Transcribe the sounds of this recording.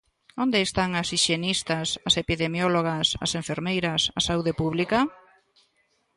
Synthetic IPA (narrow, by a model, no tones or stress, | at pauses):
ond̪eːst̪aŋɐsiʃenist̪ɐsɐsepiðemjoloɣɐsɐ̰seɱfeɾmejɾɐsɐsauðepuβlikɐ